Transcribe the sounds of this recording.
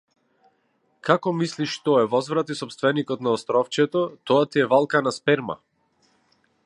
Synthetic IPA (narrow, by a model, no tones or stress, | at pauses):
kakɔmisliʃt̪ɔɛvɔzvɾat̪isɔpst̪vɛnikɔt̪naɔst̪ɾɔft͡ʃɛt̪ɔt̪ɔat̪iɛvalˠkanaspɛɾma̰